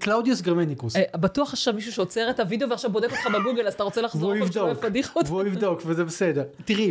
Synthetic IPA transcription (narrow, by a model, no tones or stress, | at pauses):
klawd̪iosɡeʁmenikusbat̪uaχaχʃavmiʃ̬uʃeot͡se̞ʁetavid̪e̞o̞veaχʃavbod̪ekot̪χabeɡuɡelazat̪aʁot͡selaχzouivdofad̪iχot̪vuivd̪o̞kvezebesedeʁt̪iʁi